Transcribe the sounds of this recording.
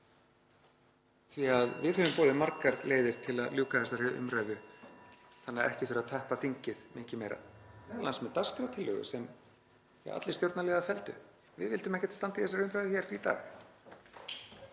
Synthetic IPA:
θviaðvɪðhœvʏmpoːðɪmaɾkaɾleːjðɪɾ̥t̪ʰɪlaðljuːkaθɛsaɾɪʔʏ̰mɾaɥðʏ | θanːaɛ̰hcɪθɾat̪ʰɛhpafiɲcɪðmɪcɪmejɾa̰ɛɛlansmɛðt̪ast̪ɾat̪ʰɪlːœːɣʏ̰sɛm̰ | a̰t̪lɪst̪jowɾt̪nalɛːɣðafɛlt̪ʏ̰ | vɪðvɪlt̪ʏmɛhcɛ̥t̪st̪ant̪ɪθɛs̬aɾʏmɾajðʏçɛːɾit̪a̰ːx

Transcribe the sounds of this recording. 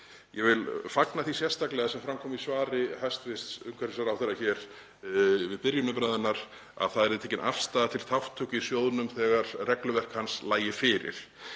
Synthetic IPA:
jɛvɪlfaknaθisjɛst̪aklɛːɣasɛmfɾamkʰɔːmisvaːɾɪhast̪vɪst̪sʏŋkʰaɾɪsaɾawθɛɾaçɛɾ̥ | vɪðpɪɾjʏnʏmpɾajðʏnːaɾ | a̰vθaðɛɾðɪt̪ʰɛːcɪnʔa̰fst̪aːðat̪ʰɪlθʰawft̪ʰœcɪisjowðnʏmθɛːɣaɾ̥rɛklʏvɛr̥khanslaːjɪfɪːɾɪ̰ɾ̥

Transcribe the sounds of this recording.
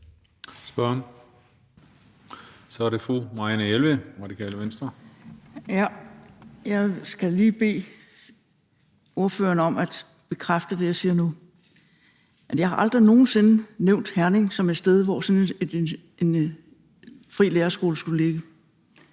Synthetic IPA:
sb̥ɶn | sɒæɾe̝fʁomɑ̈ænəelʋeʁɑ̈d̥ikʰɛ̰ːləʋensd̥ʁɐ | jæ | jɑ̈ɪsɡ̥æliːb̥e̝̰ː | o̝ɐfø̰ːɐnəɒ̽mæd̥ | b̥e̝kʰʁafd̥əd̥e̝jɑ̈siːɐnu | ʔæd̥jɑ̈ɪhɑ̈ʔɑ̈ld̥ʁino̝ːn̩se̝nəneʊ̰nd̥hæɐne̝ŋsɒ̽me̝d̥sd̥eð̞ˠʋɒsɒ̽ned̥ | e̝n | fʁḭːleːɐsɡ̥o̝ːləsɡ̥ule̝ɡ̥ə

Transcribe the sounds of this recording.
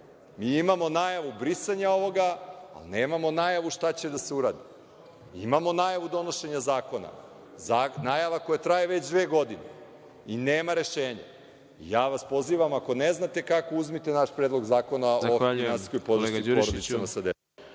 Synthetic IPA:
miimamo̞naːjaʋubɾisaɲao̞ʋo̞ɡa̰ːlneːmamo̞naːjaʋuʃt̪at͡ɕe̞d̪aseuɾa̰ːd̪i | ḭmamo̞naːjaʋud̪o̞no̞ʃe̞ɲazaːko̞na̰ | zaːnaːjaʋako̞jat̪ɾajeʋe̞t͡ɕd̪ʋe̞ːɡo̞d̪ine | ineːmaɾe̞ʃeːɲa̰ | ḭjaːʋaspo̞ziːʋamako̞neznat̪e̞kako̞uzmit̪enaʃpɾeːd̪lˠo̞ɡzaːko̞naoafinansi̥skojpo̞d̪ɾioɾod̪it̪senasad̪e

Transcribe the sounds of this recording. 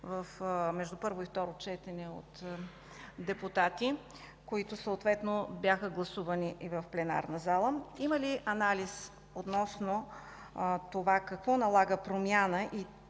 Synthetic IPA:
vəfmɛʒd̪upɤɾvoift̪ɔɾot͡ʃɛt̪ɛnɛo̰t̪ | d̪ɛput̪at̪i | koit̪ʊsəːt̪vɛt̪nobʲjaxəɡlˠɐsuvɐniʔivɐfplɛna̰ɾnəzalˠəiməliʔɐnalis | ot̪nɔsno | t̪ovakɐkvɔnɐlˠaɡəpɾomʲjanəʔi

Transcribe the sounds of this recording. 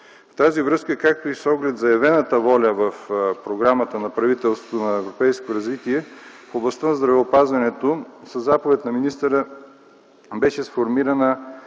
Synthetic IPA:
ft̪azivɾɤskəkak̚t̪oisɔɡlɛt̪zɐjɐvɛnət̪əvɔlʲəvəfpɾoɡɾamət̪ənɐpɾɐvit̪ɛlˠst̪vot̪onɐɛvɾopɛjskoɾɐzvit̪iɛfoblˠɐst̪anɐzd̪ɾɐvɛopazvɐnɛt̪osəzːapovɛt̪nɐminist̪əɾə | bɛʃɛsfoɾmiɾɐnə

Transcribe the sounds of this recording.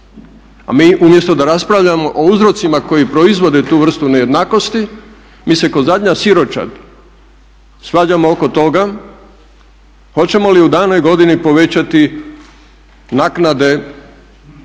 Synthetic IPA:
a̰miːʔumje̞st̪od̪aɾaspɾaʋʎamo̞ʔouzɾo̞t̪simako̞jipɾo̞izʋo̞d̪et̪uːʋr̩st̪uneje̞d̪naːko̞st̪i | miːse̞ko̞zad̪ɲasiɾo̞t͡ʃa̰d̪ | sʋaːd͡ʑamooko̞t̪o̞ɡa | xo̞t͡ɕe̞mo̞liud̪aːno̞jɡo̞d̪inipo̞ʋe̞t͡ɕat̪i | naknad̪e̞

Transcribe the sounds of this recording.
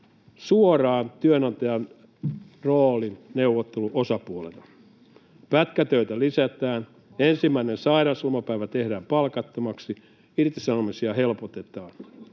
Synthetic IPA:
suorɑːnt̪yønɑnt̪ɑjɑn | roːlinneuʋot̪ːeluʔosɑpuolḛlɑ | pæt̪kæt̪øit̪ælisæt̪æːn | ensimːæinensɑiɾɑsulmɑpæiʋæt̪ehdæːmpɑlkɑt̪ːomɑksi | irt̪isɑnomisiɑhelpot̪et̪ɑːn

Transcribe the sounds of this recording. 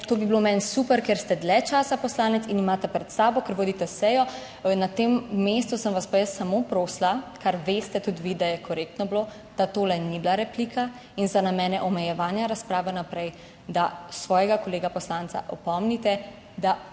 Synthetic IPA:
t̪oːbiblomɛnsupɛɾkeɾst̪ɛd̪lɛt͡ʃaːsapɔslaːnɛt̪sinimaːt̪ɛpɾɛt̪saːbɔkəɾʋoːd̪it̪ɛsɛjɔ | nat̪emːest̪usəmʋaspajəst̪ːamopɾoːslakaɾʋeːst̪ɛt̪ut̪ʋid̪ajɛkɔɾeːk̚t̪nɔblo | d̪̥at̪oːlɛniblaɾɛpliːka | inzanamɛːnɛʔɔmɛjɛʋaːnjaɾaspɾaːʋɛnapɾɛj | d̪asʋɔːjɛɡakɔleːɡapɔslant̪sa̰ʔɔpɔmnit̪ɛ | d̪a

